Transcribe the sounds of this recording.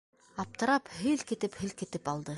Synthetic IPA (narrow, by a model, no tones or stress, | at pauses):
ap̚t̪ə̆ɾaphelket̪ɘ̆phĕlket̪ɘ̆palˠd̪ə